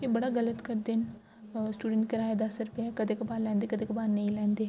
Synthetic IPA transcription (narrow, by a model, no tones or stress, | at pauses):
ebəɽaːɡələt̪kəɾd̪en | sʈuːɖə̃ɳʈkəɾaːed̪ɐsɾʊpakɐd̪eːkɐbaːlɛ̃ːnd̪eːkəd̪eːkɐbaːɾnɐɦĩːlɛ̃ːnd̪eː